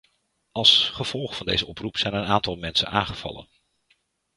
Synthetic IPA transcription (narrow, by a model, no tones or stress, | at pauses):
ɑlˠsχəv̥ɔlˠχəfɑndejzəɔprupsɛjnənaːntɑlˠmɛnsənaːŋχəv̥ɑ̰lə̰n